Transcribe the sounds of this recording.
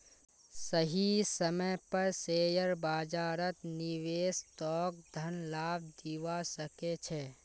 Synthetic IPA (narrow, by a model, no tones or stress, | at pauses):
səɦisəməjpəɾseːjəɾbaːd͡ʒaːɾət̪nɪweːsʈɔːk̚d̪ʱənlaːb̚d̪iwasəket͡ʃʰɛ